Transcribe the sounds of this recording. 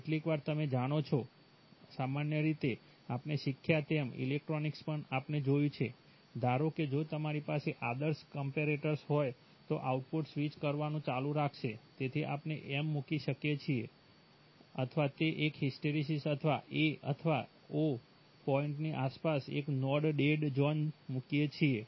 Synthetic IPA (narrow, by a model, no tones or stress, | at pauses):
eʈlikʋaɾt̪əmed͡ʒaɽ̃ot͡ʃʰo | samanjəɾit̪e | apneʃikʰːjat̪emḭlek̚ʈɾonikspəɳapned͡ʒojũt͡ʃʰe | d̪aɾoked͡ʒot̪əmaɾipaseʔad̪əɾskəmpeɾeʈəɾsɦɔj | t̪oʔauʈ̚poɖsʋit͡ʃkəɾʋanũt͡ʃalũɾakʰʃet̪et̪ʰiʔapneʔemːukiʃəkjet͡ʃʰie | ət̪ʰʋat̪eʔekɦisʈeɾisisət̪ʰʋaʔeə̰t̪ʰəʋa | o | pɔiɳʈniʔaspasḛknɔɖɖeɖd͡ʒɔnmukjet͡ʃʰie